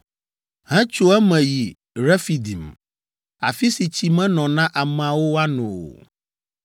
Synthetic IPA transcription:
ɦɛ̃˦t͡ʃo˦ɛ˦mɛ̃˨ji˨ | ɾɛ˦fi˨d̪i˨m | a̰˨fi˦si˨t͡ɕʰi˨mɛ̃˦nɔ̃˨nã˦ʔa˨mɛ̃˨a˨wo˦wa˦nɔ̃˨wo̰˨

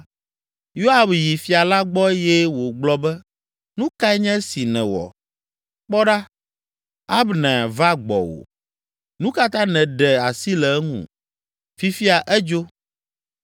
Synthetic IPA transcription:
jo˦a˨bji˨fi˨a˨la˦ɡ͡bɔ˦jɛ˦wo˨ɡ͡blɔ˦bɛ˦ | nũ˦ka˦ɛ˦ɲɛ̃˦si˨nɛ̃˨wɔ̰˨ | k͡pɔ˦ɖa˦ | a˦bnɛ̃˨va˦ɡ͡bɔ̰˨wo̰˨ | nũ˦ka˦t̪ã˦nɛ̃˨ɖɛ˨a˨si˦lɛ˨˦ŋṵ̃˨ | fi˦fi˦a˨ʔɛ˦d͡ʒo˦

